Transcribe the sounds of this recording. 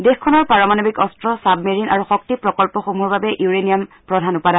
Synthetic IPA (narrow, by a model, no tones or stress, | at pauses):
dexkʰːɔnɔɹpaɹɔmanobikɔstɹɔsabmeɹinʔaɹuxɔk̚tipɹɔkɔlpɔxomuɦbabɛʔuɹenijam | pɹɔdʱanupada